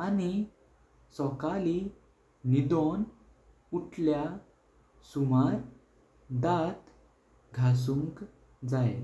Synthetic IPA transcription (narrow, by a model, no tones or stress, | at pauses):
ani | sɔkali | nid̪ɔn | uʈlja | sumaɾ | d̪at̪ | ɡʱas̬uŋk | d͡zaj